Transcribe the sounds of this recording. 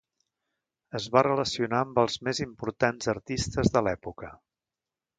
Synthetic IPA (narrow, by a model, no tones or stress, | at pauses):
əzβarələsiunaəmbəlˠzmezimpuɾt̪anzəɾt̪ist̪əzðəlɛpukə